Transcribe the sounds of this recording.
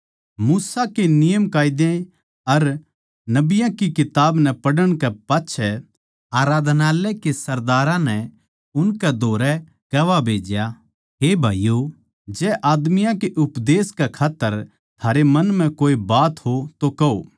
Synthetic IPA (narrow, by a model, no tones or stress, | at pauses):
muːsakenɪjəmkaːɪd̪ẽ | ɐɾ | nɐbɪjãkikɪt̪aːbnɛpɐɽəɽ̃kɛpaːtːʃʰɛ | aːɾaːd̪ʱnaːlɛkesɐɾd̪aːɾãnɛ | ʊnkɛd̪ʱoːɾɛ | ɡɐʋabʱeːd͡ʒja | ɦeːbʱaːjjo | d͡ʒɛːʔaːd̪mɪjãkeʔʊpd̪eːskɛkʰaːt̪ːəɾ | t̪ʰaːɾemɐ̃nm̤ɛ̃koːibaːt̪ɦot̪okɐo̰ː